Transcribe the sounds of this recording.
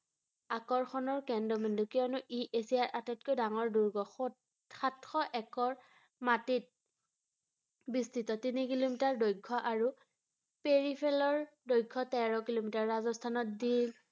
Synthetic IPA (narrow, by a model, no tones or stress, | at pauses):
akɔɹxʰɔnɔɹkɛndɔmindukiɔnʊʔiʔesiaɹʔatɛt̚kojdaŋɔɹduɹɡɔxɔ | xatxɔʔɛkɔɹ | matit̚ | bistitɔtinikilomitaɹdojkʰːɔʔaɹu | peɹipʰɛlɔɹdojkʰːɔtɛɹɔkilomitaɹːazɔstʰanɔt̚din